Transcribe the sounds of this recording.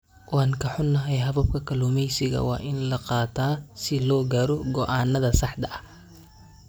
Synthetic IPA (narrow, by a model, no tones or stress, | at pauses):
wɑːŋkʰɐħʊnːɐɦɛjɦɐβɐb̚kʰɐkʰɐlumɛjsɪɣɐ̰wɑ̰ːʔɪnlɐqɑːt̪ʰaːsɪlɔːɡaːɾɔɡɔʔaːnːɐðɐsɑħd̪ɐʔɐ